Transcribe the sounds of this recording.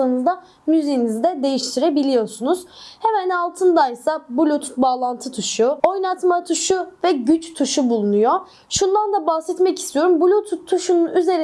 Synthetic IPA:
anɯzd̪a | myzejinizd̪ɛd̪e̞jiʃt̪ʰiɾe̞bilʲijo̞sunuz̥hemænalˠt̪ʰɯnd̪ajsabulʲut̪baːlˠant̪ʰɯt̪ʰuʃuo̞jnat̪mat̪ʰuʃuvɛɟyt͡ʃt̪ʰuʃubulˠunujo | ʃund̪and̪abahsɛt̪mɛcist̪ʰijo̞ɾumbulʲut̪ʰt̪ʰːuʃununyze̞ɾ

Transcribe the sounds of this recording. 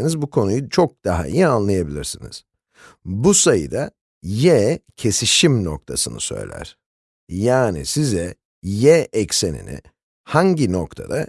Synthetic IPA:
nizbukʰo̞nujut͡ʃʰok̚d̪̥aɦa̰ḭjianlˠajabilʲiɾsinḭz̥ | busajɯ̰d̪a | jɛcʰe̞siʃimno̞k̚t̪ʰasɯnɯ̰sø̞̰jlʲæ̰ɾ̥ | jaːnḭsizɛ | jɛʔɛcsenḭnɪ̰ | haɲɟino̞kt̪ʰa̰d̪a

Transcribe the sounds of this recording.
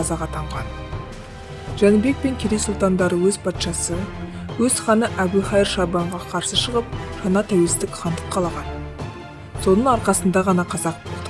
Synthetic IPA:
ɑzɑʁɑt̪ʰɑɴʁɑn | ʒ̥ænube̞k̚pe̞ŋkʲʰeɾejsʊlˠt̪ɑnd̪ɑɾəwɵzpʰɑt̪ʃɑsə | wɵz̥χɑnəʔæbujχɑjəɾʃɑbɑɴʁɑqʰɑɾsəʃəʁəp̚ʒ̥ɑnɑt̪ʰæwe̞lst̪ɪkχɑnd̪əqʰːɑlˠɑʁɑn | so̞nəɴɑɾqɑsənd̪ɑʁɑnɑqʰɑzɑq̚bo̞lˠd̪̥ə

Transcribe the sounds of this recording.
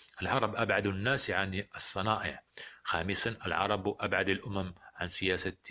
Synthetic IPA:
ʔɪlʕɑɾˤɑbʔabʕad̪unːaːsʕanɨsˤːɑnɑːʔɪʕxaːmɪsanʔɪlʕɑ̰ɾˤɑbwʔabʕad̪alʔʊmamʕansɪjaːsa

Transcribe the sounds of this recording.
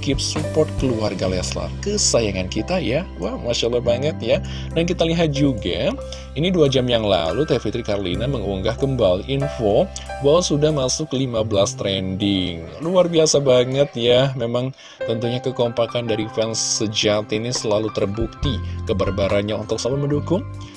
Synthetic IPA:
kɪp̚supɔrt̪̚kəluarɡalɛasla̰kəsajaŋankit̪ajawamaʃalabaŋət̪̚ja | dankit̪aliɦat̪̚d͡ʒuɡa̰ | iniduad͡ʒamjaŋla̰lut̪afit̪ɾikarlinaməŋuŋɡahkəmbalʔinfobawasudahmasʊklimabəlast̪ɾɛndɪŋ | luarbiasabaŋət̪jamemaŋ | t̪ənt̪uɲakəkompakandaɾifɛnsːəd͡ʒat̪inisəlalut̪ərbuk̚t̪ikəbərbaɾanɲaunt̪ʊk̚samaməndukʊŋ

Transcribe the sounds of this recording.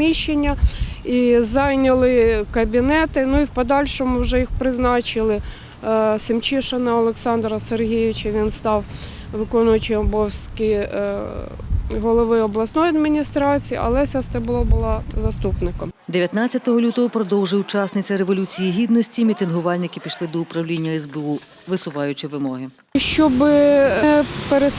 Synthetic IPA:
mʲiʃːenʲːɐ | izɑjnʲɐlˠɪkɐbʲinɛt̪ɪnuiwpɔd̪ɑlʲʃɔmʊwʒɛjixpɾɪznɑt͡ʃɪlˠɪ | sɪmt͡ʃiʃɐnɐɔlˠeksɑnd̪ɾɐserɦʲijɪʋʲɪt͡ʃɐʋʲinst̪ɑw | ʋɪkɔnʊjɐt͡ʃɪɔbɔwsʲkʲi | ɦɔlˠɔʋɪɔblˠɐsnɔjɐd̪mʲinʲist̪ɾɑt͡sʲijiʔɐ̰lˠɛsʲɐst̪ɛbʊlˠɔbʊlˠɑzɐst̪upnɪkɔmd̪eʋʲjɐt̪nat͡sʲːɐt̪ɔɦɔlʲut̪ɔɦɔpɾɔd̪ɔwʒɪjut͡ʃasnɪt͡sʲɐɾeʋɔlʲut͡sʲijiɦʲid̪nɔsʲtʲimʲit̪ɪnɦʊʋɑlʲnɪkɪpʲiʃlˠɪd̪ɔʊpɾɐwlʲinʲːɐɛzbeu | ʋɪsʊʋɑjʊt͡ʃɪʋɪmɔɦɪ | ʃt͡ʃɔbɪ | peɾes

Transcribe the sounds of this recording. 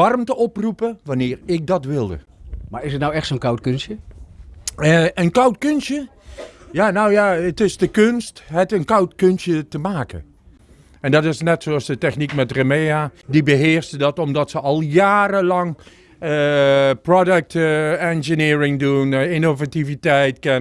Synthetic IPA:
ɑrmtəɔprupəʋɑnɪːrɪk̚dɑtʋɪlˠdə̰ | maːɹɪsətnawɛxtsoːnkawtkønsjə | əʔənkawtkønsjə | janawjaətɪzdəkønstɦɛtənkawtkønsjətəmaːkə̰ | ɛndɑtɪsnɛtsoɑsdətɛxnikmɛtrəmejadibəɦɪəɹsədɑtɔmdɑtsəʔɑlˠjaːrəlɑŋ | prɔdək̚tɛnʒənɪːrɪŋduninovativitɛjtkɛn

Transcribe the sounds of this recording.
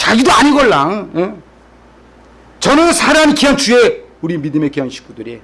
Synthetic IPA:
t͡ɕaɡidoaɲiɡʌɭːaŋje | t͡ɕʌnɯnsʰaɾamikiʌnt͡ɕueuɾimidɯme̞kijʌnɕʰi̥k͈ʰudɯɾe

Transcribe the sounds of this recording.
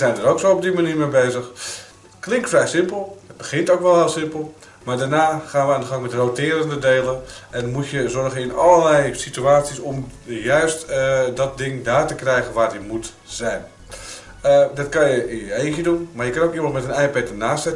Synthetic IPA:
əzɛjndəɾoksoːɔb̚dimaniːɹmebeːzəx | klɪŋktfrɛjsɪmpəlˠhət̚bəɣɪntowkʋɛlˠɛlˠsɪmpəl̩ˠ | maːɹdaːrnaːχaːnʋəaːndəɣɑŋmɛtrowtɪːəɾəndədeːlənʔɛnmutjəzɔrɣəɪnɔlˠəlɛjsityaːt͡sisɔmjœɥstdɔt̚dɪŋdaːtəkrɛjɣənʋaːdjəmut | z̥ɛjn | dɔtkɑnjəiəejkjədunmajəkɑnowkiəməmɛtənɛjpɛtənaːsɛt

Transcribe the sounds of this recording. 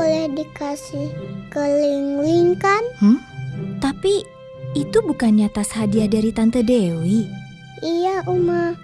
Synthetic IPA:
olɛhdikasihkəliŋwiŋkanh̩t̪api | it̪ubukanɲat̪ashadiadaɾit̪ant̪ədewi | ijaʔuma

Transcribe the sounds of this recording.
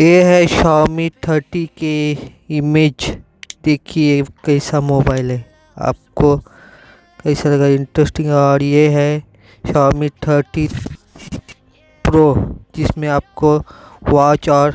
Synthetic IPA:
jeːɦɛʃaːmiʈʰəɾʈike | ɪmeːd͡ʒ | d̪eːkʰiekɐisamoːbaːɪlɦɛː | a̰ːp̚ko | kɐisalɐɡaɪ̃ɳʈɾesʈɪ̃ŋɡɔːɾjeɦɛ | ʃaːmiʈʰəɾʈi | pɾoːd͡ʒɪsmẽaːp̚kowaːt͡ʃɔːɾ

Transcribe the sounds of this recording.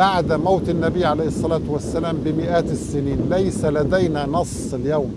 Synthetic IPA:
aʕd̪mawt̪ɪnːæbijːʕalajhɪsˤːɑlæːt̪wasːælæːmbɪmɪʔæːt̪sːɪniːnlajsælæd̪æjnæːnɑsˤɪljawm

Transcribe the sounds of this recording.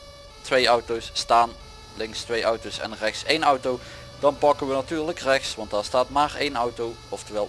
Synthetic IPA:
tʋejʌwtowsːtaːn | lɪŋkstʋejʔɑwtowsɛ̰nrɛxtsejnʌwtow | d̥ɑnpɑkəʋənatyːɹləkrɛxsʋɑntdaːɹstaːtmaːɹḛjnʌwtow | ɔftəɹʋɛlˠ

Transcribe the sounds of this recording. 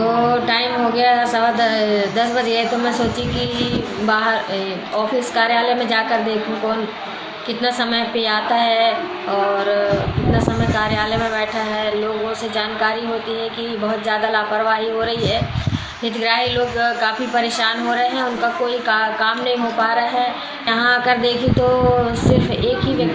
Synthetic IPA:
oːʈaːɪmɦoɡɐjasɐbad̪d̪ɐsbɐd͡ʒet̪omɛ̃soːt͡ʃĩki | baːɦəɾ | ɔːfɪskaːɾjaːlemẽd͡ʒaːkəɾd̪eːkʰũkɔːn | kɪt̪nasɐməjpeaːt̪aɦɛ | ɔːɾkɪt̪nasɐməjkaːɾjaːlemẽbɛːʈʰaɦɛloːɡõsed͡ʒaːnkaːɾiɦoːt̪iɦɛkibɐɦʊt̪zjaːd̪alaːpəɾʋaːɦiɦoɾɐɦiɦɛː | ɦɪt̪ɡɾaːɦiloːɡkaːfipɐɾeːʃaːnɦoɾɐɦeɦɛ̃ʊnkakoːikkaːmnɐɦĩɦopaːɾaɦɛː | jɐɦãɐɡəɾd̪eːkʰit̪osɪɾfeːkɦiʋjɐk̪̚

